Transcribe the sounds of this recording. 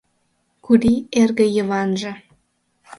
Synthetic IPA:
kud̪ierɣə̆jəβɑnʒə̆

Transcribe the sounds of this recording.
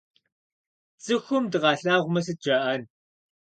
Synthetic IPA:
t͡sʼɨxʷʊmdɨʁɑːɬaːʁʷʊmɐs̬ɨd͡ʒɐʔɐn

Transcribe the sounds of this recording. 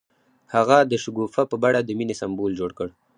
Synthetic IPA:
haɣad̪əʃʊɡufapəbaɽad̪əminesambold͡ʒoɽkəɽ

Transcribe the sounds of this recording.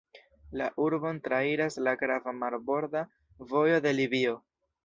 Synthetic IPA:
laʔuɾbo̞ntɾaiɾaslaɡɾavamaɾbo̞ɾda | vo̞jo̞d̪e̞libio̞

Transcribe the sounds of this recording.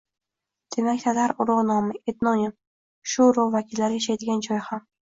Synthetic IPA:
d̪̥e̞makʲt̪ʰad̪aɾʊɾɒʁnɒmɪʔet̪nɒnʲɪm | ʃʊɾɒʁvakʲɪlːaɾɪjaʃajd̪ɪɡʲand͡ʒɒjham

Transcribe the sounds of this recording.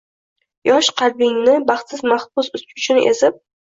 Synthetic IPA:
jɒʃqʰɑɾbɪŋnɪbɑχt̪sɪzmaχbʊsʊsʊt͡ʃʰɪnʔḛzɪp̚

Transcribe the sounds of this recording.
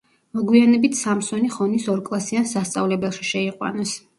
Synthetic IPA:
mɔɡwianɛbit̪ʰsamsɔniχɔnisɔɾkʼlˠasiansast̪sʼavlɛbɛlˠʃi̥ʃɛiqʼwa̰nɔs

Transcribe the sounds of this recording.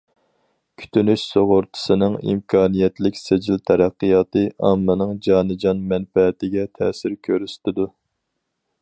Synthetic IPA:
kʲʰy̥t̪ʰynyʃsoʁʊɾt̪ʰɨ̥sɨnɨŋḭmkʰɑːnijɛt̪ʰlɪkʲsed͡ʒilt̪ʰɛɾæqːɨjɑːt̪ɨɑ̰mːɨnɨŋd͡ʒɑːnɨd͡ʒɑnmɛnfɛːt̪ɪɡʲɛt̪ʰɛ̰ːsɪɾkʲʰøɾyst̪ɪd̪u

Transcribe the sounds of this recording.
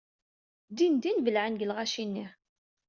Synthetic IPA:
d̪ind̪invəlʕənɡəlʁæʃinːi

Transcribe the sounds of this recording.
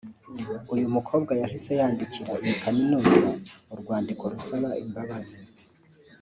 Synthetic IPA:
ujumukʰo̞ːbɡajahise̞jaːndiciɾaijikaminuːzauɾɡwaːndiko̞ɾusaβaʔimbaβazi

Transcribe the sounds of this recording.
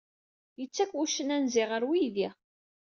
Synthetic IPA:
jət͡sːækːwuʃənænzɪʁəɾwiði

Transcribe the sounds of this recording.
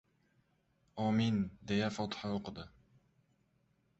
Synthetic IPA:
ɒːmind̪ejafɒt̪ʰɨ̥haoqɨd̪ɪ

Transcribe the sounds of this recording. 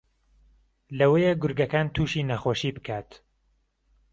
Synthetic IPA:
lɐwejeɡʊɾɡɐkaːnt̪ʰuːʃiːnɐxoːʃiːbɨkʰaːt̪

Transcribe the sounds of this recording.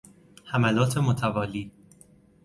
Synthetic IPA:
hæmælɒːt̪ʰemot̪ʰævɒːliː

